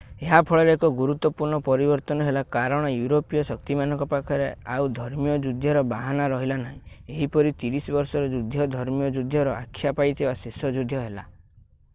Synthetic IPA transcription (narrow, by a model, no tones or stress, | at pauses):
eɦapʰɔɭɔɾeekɔɡuɾut̪wɔpuɾɳɔpɔɾibɔɾt̪ɔnɔɦelakaɾɔɽ̃ɔjuɾopijɔsɔk̚t̪imanɔŋkɔpakʰɔɾeaud̪ʱɔɾmijɔd͡ʒud̪ʱjɔɾɔbaɦanaɾɔɦilanaɦĩeɦipɔɾit̪iɾisɔbɔɾsɔɾɔd͡ʒud̪ʱjɔd̪ʱɔɾmijɔd͡ʒud̪ʱjɔɾɔʔakʰːjapajt̪ʰibasesɔd͡ʒud̪ʱjɔɦela